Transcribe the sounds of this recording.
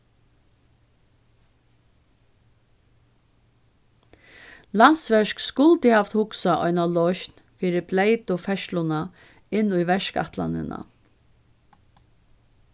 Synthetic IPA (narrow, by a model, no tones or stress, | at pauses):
lansʋɛʃkskʊlt̪ɪhaft̪hʊksaʔɔ̰ʏnalɔʃn | fiːɾɪblejt̪ʊfɛʃlʊna | ɪnːʊjʋɛʃka̰ht̪la̰nɪ̰na̰